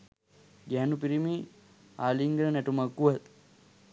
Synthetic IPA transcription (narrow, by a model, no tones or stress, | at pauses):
ɡɛɦːnupiɾimiː | aːliŋɡəɾənɛʈumakːuʋat̪